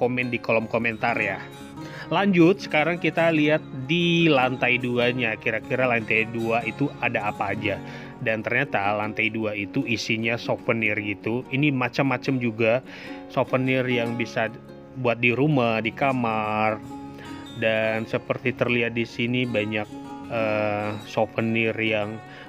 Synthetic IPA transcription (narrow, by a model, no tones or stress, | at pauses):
komɛndikolɔmkoment̪arja | laɲd͡ʒʊt̪̚sə̥kaɾaŋkit̪aliɦat̪̚dilant̪ajduaɲakiɾakiɾalant̪ajduait̪uadaːpaːd͡ʒa | dant̪ərɲat̪alant̪ajduait̪uisiɲasofənirɡit̪uinimat͡ʃamːat͡ʃamd͡ʒuɡa | sofənirjaŋbisa | buat̪̚diɾumahdikamar | dansəpərt̪it̪ərliɦat̪̚disinibaɲak̚əsofənirjaŋ